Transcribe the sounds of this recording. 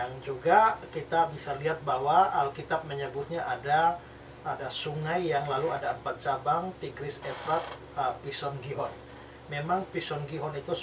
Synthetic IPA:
aŋd͡ʒuɡakit̪abisaliɦat̪̚bawaalkit̪ap̚məɲəbʊhɲaʔada | adasuŋajːaŋlaluadaəmpat̪̚t͡ʃabaŋt̪iɡɾɪsɛfɾat̪̚ | əpisɔnɡiɦɔn | memaŋpisɔnɡiɦɔnit̪u

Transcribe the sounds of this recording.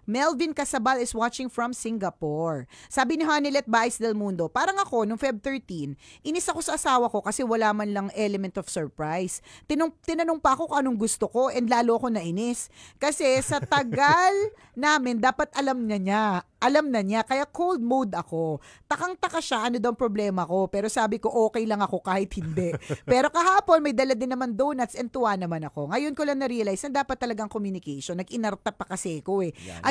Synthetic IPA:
mɛlvɪnkɐsɐbalɪswat͡ʃɪŋfɹɐmsɪŋɡɐpoɹsaːbɪnɪɦaːnɪlɛt̪̚bajsd̪ɛlmund̪opaːɾɐŋɐko̞nʊŋfɛb̚t̪ɛɹt̪inʔɪnɪsɐko̞sɐʔɐsaːwɐko̞kɐsɛwɐlaːmɐnlɐŋʔɛlɛmɛ̃nt̪ofsɛɹpɹajst̪ɪnʊt̪ɪnɐnoŋpɐʔɐko̞koŋʔɐnoŋɡʊst̪oko̞ʔɛnd̪laːloɐko̞nɐʔɪnɪskɐsɛsɐt̪ɐɡal | naːmɪnd̪aːpɐt̪ʔɐlɐmɲɐɲaʔɐlɐmnɐɲakɐjakʰowld̪̚mud̪ɐko̞ | t̪ɐkɐŋt̪ɐkɐʃaʔɐno̞d̪ɐwɐŋpɾoblɛːmɐko̞pɛːɾo̞saːbɪko̞ʔoːkɛjlɐŋɐko̞kaːhɪt̪̚hɪnd̪ɛʔpɛːɾo̞kɐɦaːpo̞nmɐjd̪ɐlad̪ɪnːɐmand̪onɐt̪sɛnt̪ʊwanɐmanɐko̞ŋɐjonkolɐŋnɐɾiɐlajsnɐd̪aːpɐt̪ːɐlɐɡaŋkomjunɪkɛjʃonːɐɡɪnɐɾt̪apɐkɐsɛko̞ʔɛʔɐ

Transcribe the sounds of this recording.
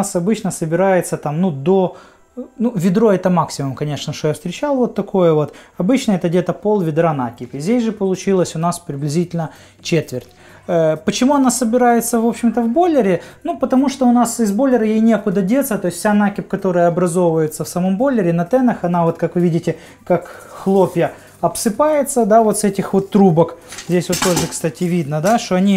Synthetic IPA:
sɐbɨt͡ɕnəsəbʲɪɾajɪt̪sət̪amnud̪o | nuvʲɪd̪ɾo̞ɛt̪əmaksʲɪmʊmkɐnʲeʂnəʂt̪ojafst̪ɾʲɪt͡ɕalˠvo̞t̪ːɐko̞jəvo̞t̪ɐbɨt͡ɕnəɛt̪ədʲet̪əpo̞lˠvʲɪd̪ɾanakʲɪpɪzʲdʲesʲʐɨpəlˠʊt͡ɕilˠəsʲʊnaspɾʲɪblʲɪzʲitʲɪlʲnə | t͡ɕet̪vʲɪrtʲː | pət͡ɕɪmuɐn̪asəbʲɪɾajɪt̪səvo̞pɕːɪmt̪əvbo̞lʲːɪɾʲɪnupət̪ɐmuʂt̪oʊnasɪzbo̞lʲːɪɾəjejnʲe̞kʊd̪ədʲe̞t̪sət̪o̞ɪsʲfsʲanakʲɪp̚kɐt̪o̞ɾəjəɐbɾɐzovvəjɪt̪səfsɐmo̞mbo̞lʲːɪɾʲɪnɐt̪ɛnɐxɐnavo̞t̪kakvɨvʲidʲɪtʲɪ | kak | xlˠo̞pʲjə | ɐpsɨpajɪt̪səd̪avo̞t̪sɛtʲɪxvo̞t̪ːɾubəkzʲdʲesʲvo̞t̪ːoʐɨkst̪atʲɪvʲid̪nəd̪aʂt̪oɐnʲi

